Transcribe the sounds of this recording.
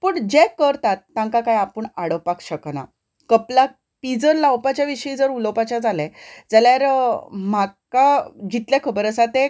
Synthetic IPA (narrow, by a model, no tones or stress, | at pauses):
pəːɳd͡ʑekəɾt̪at̪ːãŋkakajapəɳaɽəpakɕəkna̰ | kəpla | pid͡zəɾlawpat͡ɕjaʋiɕəiːd͡zəɾuləpat͡ɕad͡zalɛ̃d͡zaljaɾmakaɡʱit̪ljakʰəbəɾəsat̪e